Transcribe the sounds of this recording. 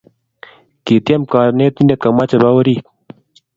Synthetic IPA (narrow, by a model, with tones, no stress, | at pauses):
ki˨t̪ja˦mka˨ne˦t̪i˦nda˦t̪̚ka˨ma˦t͡ʃa˨ba˦wə˦ɾi˦k